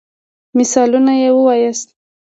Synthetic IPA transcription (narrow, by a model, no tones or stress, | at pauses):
mɪsɑlunajewəwɑjəst̪